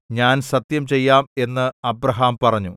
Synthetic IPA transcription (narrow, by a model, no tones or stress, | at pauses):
ɲaːnsɐt̪jɐmt͡ɕe̞jːaːme̞nːɨɐbɾɐɦaːmpɐrɐɲːu